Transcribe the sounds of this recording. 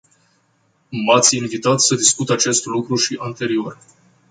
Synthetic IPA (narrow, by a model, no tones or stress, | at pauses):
mat̪sʲinvit̪at̪səd̪iskut̪at͡ʃe̞st̪lukɾuʃiʔant̪e̞ɾio̞r